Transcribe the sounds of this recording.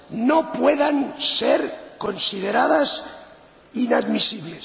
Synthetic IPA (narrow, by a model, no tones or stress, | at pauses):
nopweðanseɾkonsiðeɾaðas | inad̪misiβles